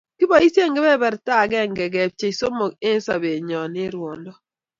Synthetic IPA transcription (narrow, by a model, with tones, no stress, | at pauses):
kɪ˦bɔ˨i˦sje˦˨ŋɡɪ˦bɛ˦bɛ˨ɾta˦˨ɡɛ˦˨ŋɡɛ˨ɡɛ˨p̚t͡ʃe˨i˨so˦mo˨ɡe˦n˦sa˨be˨ɲɔ˨nɪ˦ɾwɔ˨ndɔ˦˨